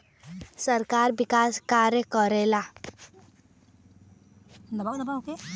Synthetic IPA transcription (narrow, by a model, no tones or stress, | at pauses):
səɾkaɾbɪkaːskaɾjəkəɾela | d̪əbad̪əbake